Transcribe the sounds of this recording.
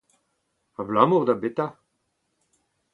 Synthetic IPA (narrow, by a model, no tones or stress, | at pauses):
ablamoʁd̪abet̪a